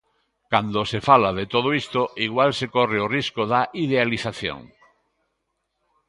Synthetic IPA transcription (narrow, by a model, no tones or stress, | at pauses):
kand̪osefalaðet̪oð̞oist̪oiɣwalsekoreoriskoðaʔiðealiθaθjo̰ŋ